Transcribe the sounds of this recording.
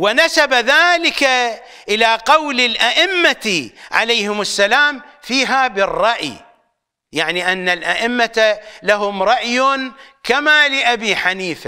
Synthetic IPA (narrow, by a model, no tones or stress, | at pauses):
wɪnasabaðaːlɪka | ʔɪlaqɑwlɪlʔaʔɪmːaʕa̰lajhɪmasːalaːmfiːɦaːbɪrˤːɑʔj | jaʕniʔanːalʔaʔɪmːalaɦʊmɾˤɑʔjnkamaːlɪʔabiːħaniːfa